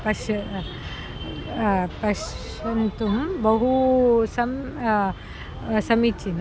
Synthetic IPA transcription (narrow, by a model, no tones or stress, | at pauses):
pɐʃ | pɐʃ | ɐnt̪umbɐɦusɐm | sɐmit͡ʃin